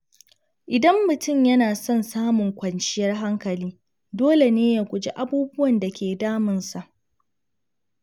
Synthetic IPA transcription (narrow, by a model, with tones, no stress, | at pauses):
ʔɪ˨dɐ˦mːʊ˨tʊ˦˨mjɐ˦naː˨sɔ˦˨nsaː˦mʊ˨ŋkʷɐ˨nt͡ʃɪ˦jɐ˦rɦa˦ŋkɐ˨liː˦ | doː˦le˨neː˦jaː˨kʷʼʊ˨d͡ʒḛ˦ʔa˦buː˦bʊ˦wɐ˨nda˨kʲʰeː˨daː˦mɪ˨nsa˨ʔ